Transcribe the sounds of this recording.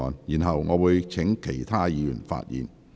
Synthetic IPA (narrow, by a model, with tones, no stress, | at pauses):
ɔː˨njiː˨˩nɦɐ˨wŋɔː˨˧wuː˨˧jt͡sʰɪ˨˥ŋkʰe˨˩jt̪ʰaː˥jiː˨˧jy˨˩nfa̰ː˧t̚jḭː˨n